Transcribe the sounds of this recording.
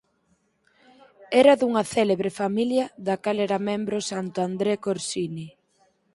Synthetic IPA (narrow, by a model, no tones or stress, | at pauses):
ɛɾɐðuŋɐθɛleβɾefamiljɐðakaleɾamẽmbɾosant̪oand̪ɾekoɾsini